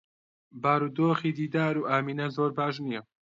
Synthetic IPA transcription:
baːɾuːd̪oːxiːd̪iːd̪aːɾuːʔaːmiːnɐzoːɾbaːʃnijɐ

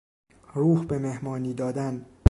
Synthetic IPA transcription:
ruːhbeme̞hmɒːniːd̪ɒːd̪æn

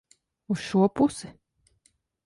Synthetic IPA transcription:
usʃuɔpusɨ

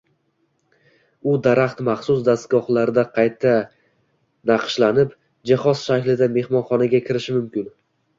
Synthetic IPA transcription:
ʊd̪aɾaχt̪maχsʊs̬d̪ast̪̚ɡɒχlˠaɾd̪aqʰɑjt̪ʰːa | nɑqʃlanɪp | d͡ʒahɒz̥ʃakʲlɪd̪ame̞hmɒnχɒnaɡʲakʲʰɪɾɪʃɪmʊmkʲɪn

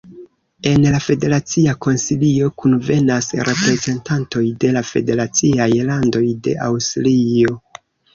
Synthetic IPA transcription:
e̞nlafe̞de̞ɾat͡siako̞nsilio̞kunve̞nasɾʔe̞pɾe̞ze̞ntanto̞jde̞lafe̞de̞ɾat͡siajlando̞jde̞̰ʔawstlio̞

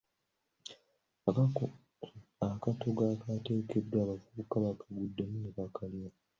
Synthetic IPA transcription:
akato̞ɡakate̞ːke̞dːwaːβafuukaβakaɡudːamunekakalia

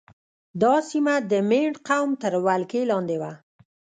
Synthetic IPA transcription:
d̪ɑsimad̪əmeɳɖqawmt̪əɾwalkelɑnd̪ewa

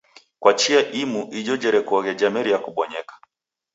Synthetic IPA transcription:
kwat͡ʃiaʔimuʔiʄɔd͡ʒɛɾɛkuɔɣɛd͡ʒamɛɾiakuɓɔɲɛkḁ

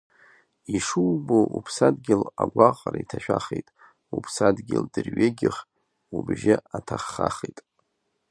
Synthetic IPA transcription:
iʂuːboʔupʰsadɡʲɪlaɡʷaqʼɾaitʰaʃᶣaχejtʼ | upʰsadɡʲɪldɨrɥeɡʲɪχ | ubʒɪatʰaχːaχejtʼ

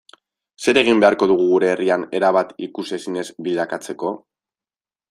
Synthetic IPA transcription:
se̞ɾe̞ɣ̞imbe̞aɾko̞ðuɣ̞uɣuɾe̞ːriane̞ɾaβ̞at̪ikuse̞sine̞zbild̪akat͡se̞ko̞

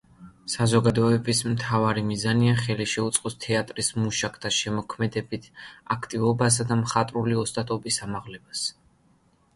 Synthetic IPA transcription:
sazɔɡad̪ɔɛbismt̪ʰavaɾimizaniaχɛliʃɛut̪sʼqʼɔst̪ʰɛat̪ʼɾismuʃakʰt̪ʰaʃɛmɔkʰmɛd̪ɛbit̪ʰakʰt̪ʼivɔbas̬ad̪amχat̪ʼɾuliɔst̪ʼat̪ʼɔbisamaʁlɛbas

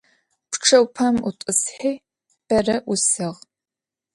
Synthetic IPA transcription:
pʰʈ͡ʂʰɐwpʰamutʼɨsħeː | b̥ɐrɐʔʊsɨʁ

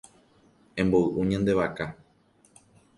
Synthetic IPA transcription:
ẽ̞mboɨʔũɲãnd̪e̞βaka

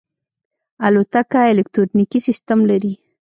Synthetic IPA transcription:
alot̪akaelekt̪ɾoɾnikisist̪amlaɾi

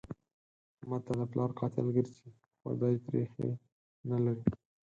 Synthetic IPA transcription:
mɑt̪ːad̪əplɑɾqɑt̪ɪ̰lɡəɾt͡ʃi | xa̰d̪ɑit̪ɾḛxḛ | nalaɾi

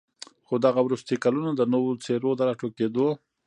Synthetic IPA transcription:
xod̪aɣawɾust̪ikalunod̪ənowot͡seɾod̪əɾaʈoked̪o

